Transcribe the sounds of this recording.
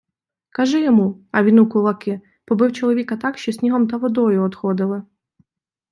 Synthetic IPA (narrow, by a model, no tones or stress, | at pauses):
kɐʒɛjɔmuɐʋʲinukʊlˠɐkɪ | pɔbɪwt͡ʃɔlˠɔʋʲikɐt̪ɑkʃt͡ʃɔsʲnʲiɦɔmt̪ɐʋɔd̪ɔjʊɔd̪xɔd̪ɪlˠɪ